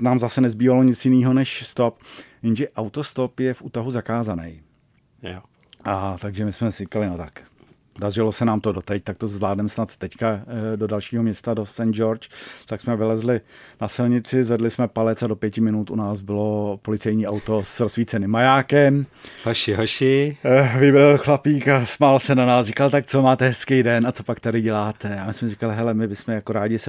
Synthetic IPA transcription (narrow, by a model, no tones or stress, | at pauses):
naːmzasɛnɛzbiːvalo̞ɲɪt͡sjɪniːɦonɛʃst̪opjɪnʒɛʔawt̪ost̪o̞pjɛfʔuːt̪aɦuzakaːzanɛ̰j | ʔat̪aɡʒɛmɪsmɛrɪkalɪnot̪ak | dar̝ɪlosɛnaːmt̪odo̞t̪ɛc̚t̪ak̚t̪ozvlaːdnɛmsnat̪ːɛckado̞dalʃiːɦomɲɛst̪adosɛnd͡ʒoɾt͡ʃt̪aksmɛvɪlɛzlɪnasɪlɲɪt͡sɪzvɛdlɪsmɛpalɛt͡sadopjɛcɪmɪnut̪ʔunaːsbɪlo̞polɪt͡sɛjɲiːʔawt̪o̞sɾosfiːt͡sɛnɪmːajaːkɛmhoʃɪɦoʃɪvɪbɾlxlapiːkasmaːlsɛnanaːsrɪkalt̪ak̚t͡so̞maːt̪ɛɦɛskɛjdɛnʔat͡so̞pakt̪adɪɟɛlaːt̪ʰɛamɪsmɛrɪkalɪɦɛlɛmɪbɪsmɛjakoɾaːɟɪsɛ